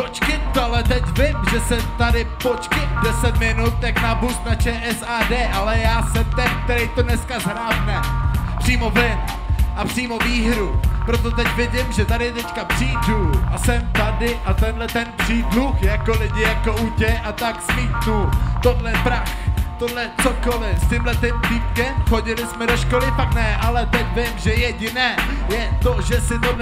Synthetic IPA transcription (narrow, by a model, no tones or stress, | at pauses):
pot͡ʃkɪnt̪oalɛt̪ɛcvɪmʒɛsɛmt̪adɪpot͡ʃkɪndɛsɛt̪mɪnut̪̚t̪aknabust̪nat͡ʃɛːʔɛsaːdɛːʔalɛjaːsɛmt̪ɛnk̚t̪ɛɾɛjt̪odnɛskazɦɾaːvnɛpr̥iːmo̞vɪn | ʔapr̝̥iːmo̞viːɦɾupɾo̞t̪o̞t̪ɛcvɪɟɪmʒɛt̪adɪt̪ɛckapr̥iːduʔasɛmt̪adɪʔat̪ɛnɦlɛt̪ɛnpr̥iːdluxjako̞lɪɟɪjakoʔucɛʔat̪aksmiːt̪nut̪odlɛpɾaxt̪o̞dlɛt͡soko̞lɪstɪmlɛt̪ɪmt̪ip̚kɛmxoɟɪlɪsmɛdo̞ʃkolɪfaknɛʔalɛt̪ɛcvɪmʒɛjɛɟɪnɛːjɛt̪o̞ʒɛsɪt̪o